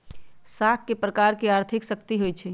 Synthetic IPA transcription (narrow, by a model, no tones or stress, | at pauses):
sakːepɾəkaɾkeaɾt̪ʰiksəkt̪iɦojt͡ʃʰɛ